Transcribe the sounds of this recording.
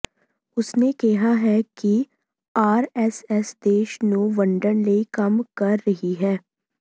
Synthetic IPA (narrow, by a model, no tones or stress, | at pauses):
ʊsnekɛɦaɦɛki | aːɾɛsɛsd̪eːʃnuːʋɐ̃ɳɖənleikɐmkɐɾːɐɦiɦɛː